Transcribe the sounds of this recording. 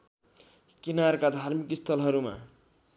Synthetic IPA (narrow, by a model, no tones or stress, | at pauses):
kinaɾkad̪ʱaɾmikist̪ʰʌlɦʌɾuma̰